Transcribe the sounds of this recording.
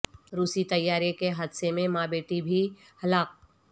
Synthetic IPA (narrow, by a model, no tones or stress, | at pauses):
ɾuːsit̪ɐjːaːɾekeɦɐd̪semẽmãːbeːʈibʱi | hɐlaːk̚